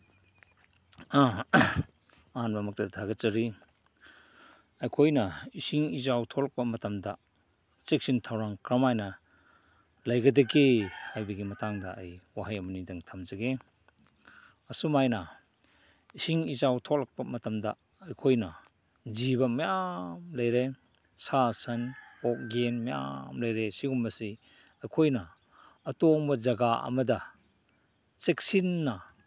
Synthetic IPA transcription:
a | ɐhanmɐmɐk̚tɐdʱʰaɡɐt͡ʃɐɾi | ɐjkʰojnɐisiŋizawtʰolɐk̚pɐmɐtɐmdɐ | t͡ʃek̚sintʰawɾaŋkɾɐmajnɐ | lɐjɡɐdɐɡehajbɐɡimɐtaŋdɐʔːjwaɦajɐmɐnidɐŋtʰamzɐɡe | ɐsumajnɐ | siŋizawtʰɔk̚lɐk̚pɐmɐtɐmdɐ̰ː | jkʰojnɐ | zibɐmɐjamlɐjɾe | sasɐnɔk̚ɡenmɐja̰mlɐjɾesiŋumːɐsi | ɐjkʰojnɐː | tɔŋbɐzɐɡaɐ̰mɐdɐ | t͡ʃek̚sinːɐ

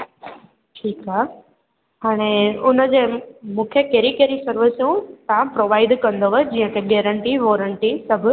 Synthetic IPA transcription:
ʈʰiːkɦa | ɦaːɽ̃eʊnə̆d͡ʑeːmũːkʰjekeːɾikeːɾisɐɾʋɪsjũt̪ãpɾoːʋaːɪɖkɐ̃nd̪oʋəd͡ʑiːə̃kʰeɡeːɾə̃ɳʈiʋoːɾəɳʈisɐbʱʊ

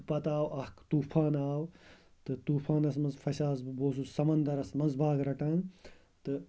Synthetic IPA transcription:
pɐt̪aːwɐhkt̪uːpʰaːnaːwt̪ɨt̪uːpʰaːnɐsmɐnzfʰɐsaːzboːs̬usɐmɐnd̪ɐɾɐsmɐnzbʱaːɡɾɐʈaːn | t̪ɨ

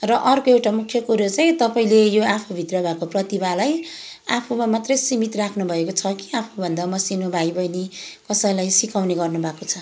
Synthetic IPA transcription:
rʌʔʌrkoewʈamukʰjʌkuɾot͡saĩt̪ʌpaĩlejoapʰubʱit̪rʌbʱakoprʌt̪ibalaj | apʰumamat̪rʌjsimit̪rakʰnubʱʌekot͡sʰʌki̥apʰubʱʌnd̪amʌsinobʱajbʱʌjnikʌsʌjlajsikawneɡʌrnubʱakot͡sʰʌ

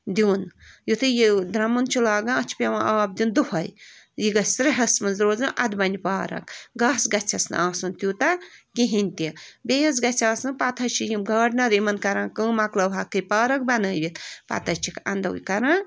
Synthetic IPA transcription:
d̪iːnjut̪ɨjid̪ɾɐmunt͡ʃʰilaːɡãːt͡ʃʰi̥pʲeʋãʔaːb̚d̪ʲind̪uɦɐj | jiɡɐsɾiɦɐsmɨnzɾoːzɨʔɐd̪bɐnʲipaːɾɐ̰kɡɐːsɡɐt͡sʲʰɐsnɨ̰aːsɨnt̪juːt̪ɐkiɦinʲt̪ibejɐz̬ɡɐt͡sʰʲaːsnɨpɐt̪ʰɐt͡ʃʰijimɡɐːɖnɐɾimɐnkɐɾãːkəːmɐklɐʋɦɐkːɨjpaːɾɐk̚bɐnəːbʲit̪pɐ̰t̪ʰɐt͡ʃʰikɐnd̪ɐ̰wjkɐɾãː

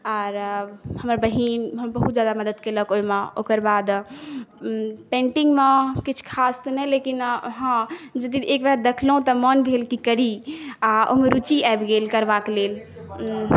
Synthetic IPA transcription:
aɾhəmɾabəɦinɦəmbəɦut̪d͡ʒjad̪aməd̪əd̪keləkojmeokəɾbad̪ | pẽɳʈiŋɡmekit͡ʃʰkʰast̪nɛlekinɦãd͡ʒəd̪iekbɛd̪ekʰlɦũt̪ɔmənbʱelkikəɾiao̰ɦmeɾut͡ʃiaebɡelkəɾbakelel

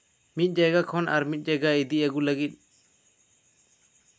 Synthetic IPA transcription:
mit̪̚ˀd͡ʒajɡakʰɔnʔa̰ɾmit̪̚ˀd͡ʒajɡaid̪iaɡulaɡit̪̚ˀ

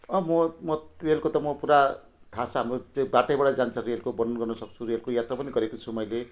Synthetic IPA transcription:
ʌmʌmʌrelkot̪ʌmʌpuɾa | t̪ʰasʰʌɦamrot̪obaʈʌjbaɽad͡zant͡sʰʌrelkobʌnʌnɡʌrnʌsʌkt͡sʰurelkojat̪rapʌniɡʌɾekot͡sʰumʌjle

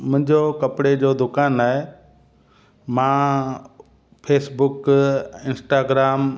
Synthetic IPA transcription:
mʊ̃ɦɪ̃ɲd͡ʑokɐpɽed͡ʑoːd̪ʊkaːnaːɦe | mãː | pʰeːsbʊkɪ̃nsʈaːɡɾaːm

